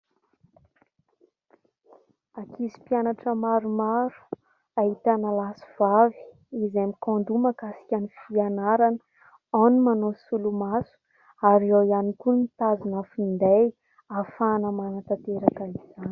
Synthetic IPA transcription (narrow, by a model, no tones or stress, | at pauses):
akizi̥pianaʈ͡ʂəmaɾumaɾu̥ | aɦit̪analasi̥v̥avi̥ | izemikɔ̃nd̪umakasi̥kʲanifianaɾanə̥ | awnumanosulumasu̥ | aɾioianikunit̪azinafind̪aj | afanəmanat̪at̪eɾakaiz̥ani̥